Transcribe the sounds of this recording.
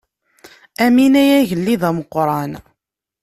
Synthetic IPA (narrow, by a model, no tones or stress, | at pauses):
æminæjæʝəlːiðæməqːɾˤɑn